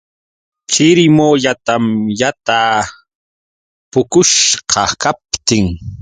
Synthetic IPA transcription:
kʰɪɾɪmoʎat̪amjat̪aː | pʊkʊʃqʰɑkap̚t̪ɪŋ

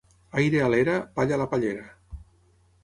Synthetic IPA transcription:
ajɾealeɾapaʎalapaʎeɾa

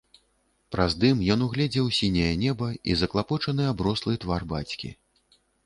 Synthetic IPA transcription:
pɾʔazd̪ɨmjɔnuɣlʲɛd͡zʲɛwsʲinʲɐjɐnʲɛbɐizɐklˠapɔt͡ʂɐnɨabɾɔslˠɨt̪varbat͡sʲkʲḭ

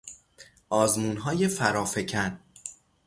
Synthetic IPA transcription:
ʔɒːzmuːnɦɒːje̞fæɾɒːfecʰæn

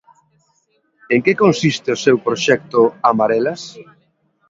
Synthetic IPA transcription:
eŋkekonsist̪ɪʊsewpɾoʃɛk̚t̪ʊamaɾɛlas

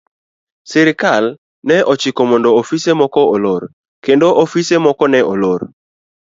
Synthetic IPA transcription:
sɪɾɪkal | nɛʔɔt͡ʃikɔmɔndɔofisemɔkɔoloɾ | kendoʔofisemɔkɔnɛʔolor

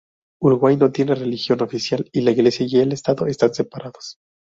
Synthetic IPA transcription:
uɾuɣwajno̞t̪je̞nere̞lixjo̞no̞fisjalilaiɣle̞sjajelest̪aðo̞est̪anse̞paɾʔaðos

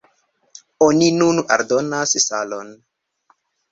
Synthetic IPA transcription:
oninuna̰ɾdonassa̰lo̰n

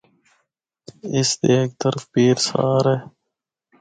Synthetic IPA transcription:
ɪst̪eːk̚t̪əɾfpiːɾsa̰ːɾeː

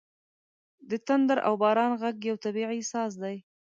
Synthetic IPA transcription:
d̪ət̪and̪aɾʔa̰wbɑɾɑnɣaɡjawt̪abiʕisɑs̬d̪aj

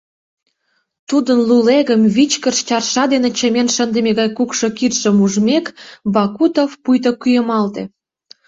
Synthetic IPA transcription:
t̪ud̪ənluleɣəmβit͡ɕkəʃt͡ɕɑrʃɑd̪enĕt͡ɕə̆menʃənd̪ə̆meɣɑjkukʃokit̪ʃə̆muʒmekbɑkut̪ofpujt̪̬okyjəmɑlt̪ḛ̆

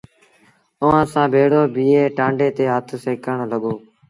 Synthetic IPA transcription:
ʊʋãːsãːbʱeːɽoːbʱiːeːʈãːɳɖeːt̪eːɦət̪ʰseːkəɳləɠoː

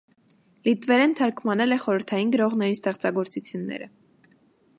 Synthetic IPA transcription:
lit̪vɛɾɛnt̪ʰɑɾkʰmɑnɛlɛχɔɾəɾt̪ʰɑjinɡəɾɔʁnɛɾist̪ɛχt͡sɑɡɔɾt͡sut͡sʰjunːɛ̰ɾə

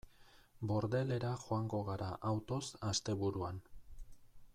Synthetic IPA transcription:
bo̞ɾðe̞le̞ɾaxoaŋɡo̞ɣ̞aɾaʔawt̪o̞sast̪e̞βuɾuan

